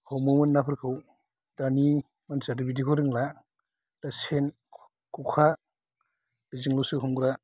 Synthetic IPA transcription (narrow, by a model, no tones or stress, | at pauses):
hʰowmumɯnːapʰɯɾkʰɯw | dani | mansadɯbidikʰoɾɯŋla | d̥asen | kʰukʰa | biziŋlusuɦumɡɾa